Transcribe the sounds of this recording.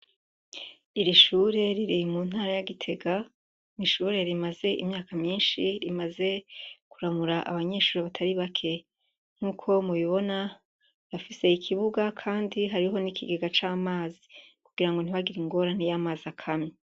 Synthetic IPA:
iɾiʃuːɾe̞ɾiɾimuːnhaːɾajaɡitʰe̞ɡa | niʃuːɾe̞ɾimaze̞ʔḭmɲaːkamɲiːnʃiɾimaze̞kuɾamuɾaʔa̰βaɲe̞ʃuːɾeβatʰaɾiβakʰe̞ | ŋ̥uːkʰo̞muβiβo̞na | jafise̞ikʰiβuɡakʰaːndiɦaɾiɦo̞nikʰiɡeɡat͡ʃaːmaːzikuɡ̥iɾaŋɡon̥iβaɡiɾiŋɡo̞ːɾanijaːmaːzakʰame

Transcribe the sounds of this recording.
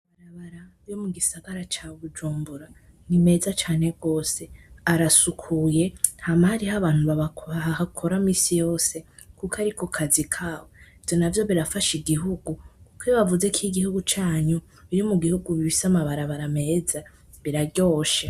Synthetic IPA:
βaɾaβaɾa | jomuɡisaɡaɾat͡ʃaβud͡ʒuːmbuɾa | nime̞ːzat͡ʃaːne̞ɡo̞ːse̞aɾasukʰuje̞hamahaɾihaβaːn̥uβahakʰo̞ɾamiːsijo̞ːse̞ | kukʰaɾikʰokʰazikʰaːweivjonavjo̞βiɾafaʃiɡiɦuɡukukweβavuze̞kʰiɡihuɡut͡ʃaːɲu | ijomuɡihuɡuβifisamaβaɾaβaɾame̞ːza | βiɾaɡɟo̞ːʃe

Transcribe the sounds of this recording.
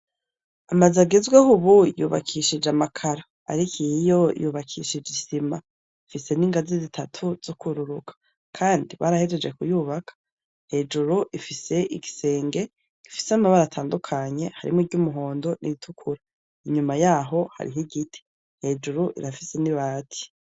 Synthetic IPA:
amazaɡezɡwehuβujṵːβa̰kʰiʃid͡ʒamakʰaɾa | a̰ɾikijo̞juːβakʰiʃid͡ʒisima | ifise̞niːŋɡazizitʰatʰuz̥okuɾuɾukʰḁ | kʰaːndiβaɾaheɾed͡ʒekujuːβakʰḁ | he̞d͡ʒuɾuʔifise̞ʔiɡise̞ːŋɡe̞ | ɡ̥ifi̥seamaβaɾatʰaːndukʰaɲe̞haɾḭmiɡɟumuɦo̞ːndo̞nʔḭitʰukʰuɾa | iɲumajaːɦo̞ha̰ɾḭɦiɡitʰi̥ | he̞d͡ʒuɾuʔḭɾafi̥se̞niβaːtʰi̥

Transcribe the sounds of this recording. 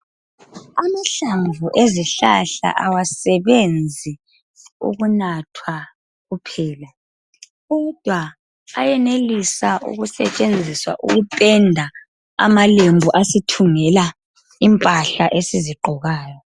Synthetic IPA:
amaɬaɱvʱuʔeziɬa̰ɬa̰ʔawasɛβend͡zʱi | ṵɣunatʰwa | ɣupʰɛːla | ɣɔd̥ʱwaː | jɛnelisaʔṵɣusɛ̰t͡ʃʼend͡zʱiswa̰ʔṵɣupʼɛndʱa | a̰malembʱuʔasitʰuŋɛla | impʼaɬaʔesiziǃʱɔɣaːjɔ

